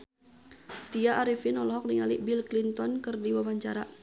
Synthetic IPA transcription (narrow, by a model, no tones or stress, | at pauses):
t̪iaʔaɾifinɔlɔɦɔk̚niŋaliʔbilklint̪ɔnkɨrdiwawaɲt͡ʃaɾa